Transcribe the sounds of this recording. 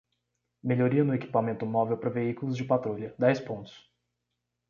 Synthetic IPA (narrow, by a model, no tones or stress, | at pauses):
meʎoɾiɐnʊeki̥pamẽnt̪ʊmɔvewpɾɐveikʊlʊzd͡ʒɪpat̪ɾolɐd̪ɛjspõnt̪ʊ̥s